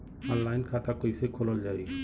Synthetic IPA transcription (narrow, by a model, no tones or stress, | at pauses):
ɔ̃ːnlaːɪnkʰaːt̪akoːisekʰoːləld͡ʒaːiː